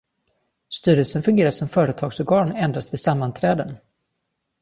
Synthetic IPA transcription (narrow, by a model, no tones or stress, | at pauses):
st̪yːɾəlsənfɵŋɡeːɾaʂɔmfœːɾət̪ʰɑːɡsɔɾɡɑːnɛnd̪ɾast̪vɪsamːant̪ʰɾɛːd̪ən